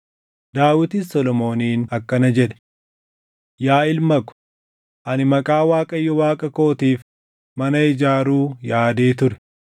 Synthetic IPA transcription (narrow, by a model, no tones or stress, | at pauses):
d̪aːwɪt̪isɔlɔmo̞ːniːnɐkːɐnɐd͡ʒɛᶑɛ̥ | jaːɪlmɐkʊ̥ | ʔɐnɪmɐkʼaːwaːkʼɐjːɔwaːkʼɐko̞ːt̪iːf | mɐnɐɪd͡ʒaːɾuːjaːd̪eːt̪ʊɾɛ̥